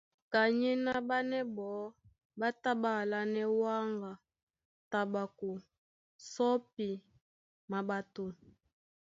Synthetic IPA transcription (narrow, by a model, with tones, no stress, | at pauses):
ka˨ɲi˦na˦ba˦nɛ˦bɔ˨˦ | ba˦ta˦ba˦˨la˦nɛ˦wa˦ŋɡa˨ | ta˨ba˨ku˨ | sɔ˦p̚i˨ | ma˨ba˦to˦